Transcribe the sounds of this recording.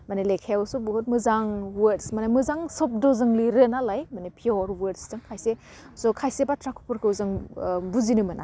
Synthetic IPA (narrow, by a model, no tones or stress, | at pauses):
manelekʰajawsubuɦot̚mɯzaŋwetsmanamɯzaŋsɔp̚dɔzɯŋliɾɯnalajmanepʰiɔɾwɯɾtstɯŋkʰajse | sɔkʰajsebatɾakʰu̥puɾkɯwzɯŋbuzinɯmɯna̰